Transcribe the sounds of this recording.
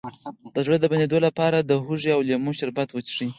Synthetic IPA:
d̪̥əzɽəd̪əband̪ed̪olapɑɾad̪əɦuʐiawlamuʃaɾbat̪wət͡ʃʂi

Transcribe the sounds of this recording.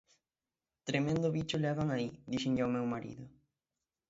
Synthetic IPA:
t̪ɾemẽnd̪oβit͡ʃoleaɣaŋaid̪iʃẽɲʎawmewmaɾḭðʊ

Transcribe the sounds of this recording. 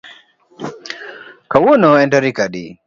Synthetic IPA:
kawɔnɔɛndaɾikaɗḭ

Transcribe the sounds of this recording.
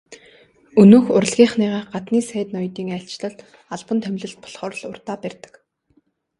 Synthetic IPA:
ɵnuːxʊɾə̆ɮɣʲiːχniːʁaːɢat̪niːsæːt̪nɔjt̪iːŋæɬʲt͡ɕɮə̆ɮ | aɮpə̆nt̪ʰæmɮɘ̆ɬt̪̚pʰɔ̥ɮχɔːr̆ɮʊrt̪aːpærʲt̪ə̥̆k

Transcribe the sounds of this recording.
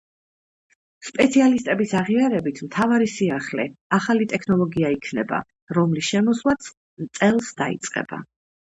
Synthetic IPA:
spʼɛt̪sʰialist̪ʼɛbisaʁiaɾɛbit̪ʰmt̪ʰavaɾisiaχlɛaχalit̪ʼɛkʰnɔlˠɔɡiaikʰnɛba̰ | ɾɔmlisʃɛmɔsvlˠat̪sʰ | t̪sʼɛlˠsd̪aḭt̪sʼqʼɛ̰b̥a̰

